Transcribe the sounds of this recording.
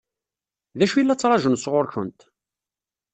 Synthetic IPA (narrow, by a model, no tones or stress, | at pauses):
ðæʃujilːæt͡sːɾˤɑʒənsʁʊɾçənt̪